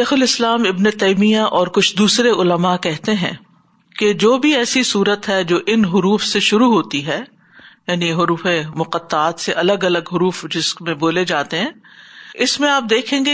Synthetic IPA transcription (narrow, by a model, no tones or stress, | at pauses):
ʃeːxʊlɪslaːmɪbnet̪eimijaʔɔːɾkʊt͡ʃʰd̪uːsɾeʔʊləmakɛɦt̪eɦɛ̰̃ː | ked͡ʒoːbʱiɛːsisuːɾət̪ɦɛd͡ʒoːʔɪnɦʊɾuːfseʃʊɾuɦoːt̪iɦɛː | jaːniɦʊɾuːfemʊqət̪ːaːt̪seʔɐləɡɐləɡɦʊɾuːfd͡ʒɪsmẽboːled͡ʒaːt̪eɦɛ̃ːɪsmẽaːp̚d̪eːkʰẽːŋɡe